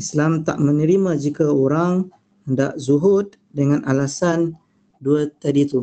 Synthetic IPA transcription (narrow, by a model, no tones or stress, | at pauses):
islamt̪a̰ʔmə̃nəɾimãd͡ʒikaoɾaŋ | hənda̰ʔzuɦʊd̚ | dəŋãnʔalasan | duat̪adit̪u